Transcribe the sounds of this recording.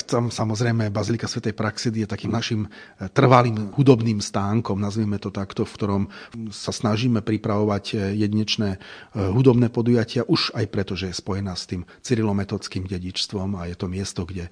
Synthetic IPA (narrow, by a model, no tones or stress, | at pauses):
t̪amsamɔzɾɛjmɛbazilikasʋɛt̪ɛjpɾaksid̪ijɛt̪akiːmnaʃimt̪r̩ʋaliːmhud̪ɔbniːmst̪aːŋkɔmnazʋimɛt̪ɔt̪akt̪ɔfkt̪ɔɾɔmsasnaʒiːmɛpɾipɾaʋɔʋaɟjɛd̪iɲɛt͡ʃnɛːɦud̪ɔbnɛːpɔd̪ujacɪaʔuʃajpɾɛt̪ɔʒɛjɛspɔjɛnaːst̪iːm | t͡siɾilɔmɛt̪ɔt͡skiːmɟɛɟit͡ʃst̪ʋɔmajɛt̪ɔmɪɛst̪ɔɡɟɛ